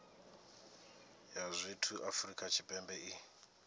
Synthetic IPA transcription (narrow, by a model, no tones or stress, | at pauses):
jazʷitʰuʔafrikʼat͡ʃʰipʼɛmbɛi